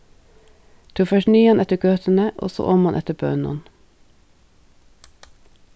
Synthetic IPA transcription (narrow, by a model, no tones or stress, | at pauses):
t̪ʰuːfœʃnyːɑnʔɛt̪əɡøːt̪ən̩əʔɔ̰so̰ːʔɔmɑnʔɛt̪əbø̰ːnɔ̰n